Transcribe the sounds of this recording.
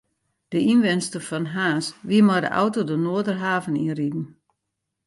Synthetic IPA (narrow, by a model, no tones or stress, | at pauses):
d̥əʔinʋɪnstəfɔnɦaːsʋiəmɔdə̰ʔa̰wtodənoədərɦaːvənḭridn̩